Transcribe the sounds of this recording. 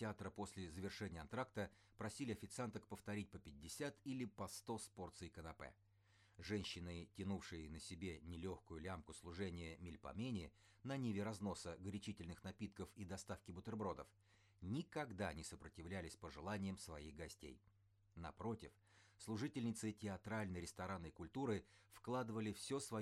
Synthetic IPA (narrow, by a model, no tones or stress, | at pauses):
tʲɪat̪ɾəpo̞sʲlʲɪzəvʲɪrʂɛnʲɪjəɐnt̪ɾakt̪ə | pɾɐsʲilʲɪɐfʲɪt̪sɨant̪əkpəft̪ɐɾʲit̚ʲpəpʲɪdʲːɪsʲat̪ilʲɪpɐst̪o̞spo̞rt̪sɨjkənɐpɛ̰ | ʐɛnʲɕːɪnɨtʲɪnufʂɨjənəsʲɪbʲe̞nʲɪlʲo̞xkʊjʊlʲamkʊslˠʊʐɛnʲɪjəmʲɪlʲpɐ̰mʲenʲɪ | nɐnʲivʲɪɾɐzno̞səɡɾʲɪt͡ɕitʲɪlʲnɨxnɐpʲit̪kəfid̪ɐst̪afkʲɪbʊt̪ɪrbɾo̞d̪ə̰f | nʲɪkɐɡd̪anʲɪsəpɾətʲɪvlʲælʲɪsʲpəʐɨlˠanʲɪjəmsvɐiɣɡɐsʲtʲḛj | nɐ̰pɾo̞tʲɪf | slˠʊʐɨtʲɪlʲnʲɪt̪sɨtʲɪɐt̪ɾalʲnəjɾʲɪst̪ɐɾanəjkʊlʲt̪uɾɨfklˠad̪ɨvəlʲɪfsʲɵsvɐ